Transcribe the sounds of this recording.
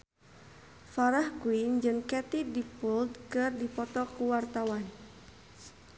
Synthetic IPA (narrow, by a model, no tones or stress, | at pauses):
faɾahkwind͡ʒɨŋkɛt̪idipuld̪kɨrdipɔt̪ɔkuwart̪awan